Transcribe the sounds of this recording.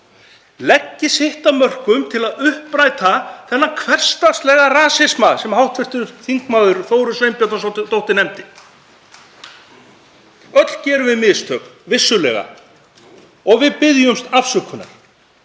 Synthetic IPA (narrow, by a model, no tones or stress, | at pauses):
lɛcːɪsɪht̪amœr̥kʏmt̪ʰɪlaðʏhpɾaːjt̪aθɛnːakʰvɛr̥st̪ḁst̪lɛːɣaraːsɪsmasɛmhawht̪ʰvɪr̥t̪ʏɾθiŋkmaːwðʏɾθoːwɾʏsvejmpjat̪as̬t̪t̪owht̪ɪnɛmt̪ɪ | œt̪lcɛːɾʏvɪðmɪðst̪ʰœːknvɪsːʏlɛ̰ːɣa̰ | ɔɣvɪðpɪðjʏmst̪afsʏkʰːʏna̰ɾ̥